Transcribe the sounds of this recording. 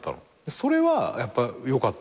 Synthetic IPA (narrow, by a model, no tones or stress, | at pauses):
t̪ːa̰no̰ | d̪eso̞ɾe̞βajapːajo̞kat̪ː